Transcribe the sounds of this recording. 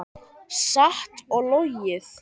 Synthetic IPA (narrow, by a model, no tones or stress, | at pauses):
saht̪ɔɣlojɪθ